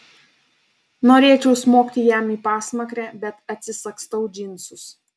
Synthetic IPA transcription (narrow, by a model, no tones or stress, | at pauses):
noːɾʲeːt͡ʃʲɛʊsmoːkt̪ʲɪjæmiːpɑːsmɐkɾʲɛːbʲɛt̪ɐt̪ʲsʲɪsɐkst̪ɐʊd͡ʒʲɪnʲˑsʲʊs